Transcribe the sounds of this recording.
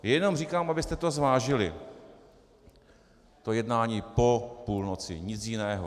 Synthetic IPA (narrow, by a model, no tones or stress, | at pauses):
jɛjɛno̞mr̝iːkaːmʔabɪst̪ɛt̪o̞zvaːʒɪlɪ | t̪o̞jɛdnaːɲiːpo̞puːlnot͡sɪ̰ɲɪt͡sjɪnɛːɦo